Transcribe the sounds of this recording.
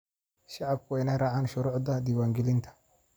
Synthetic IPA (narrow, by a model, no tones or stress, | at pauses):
ʃɑʕɑb̚kʰʊɛjnɐɾɑʕaːnʃʊɾuːʕd̪ɐd̪iːwaːŋɡɛlɪnt̪ʰɐ̥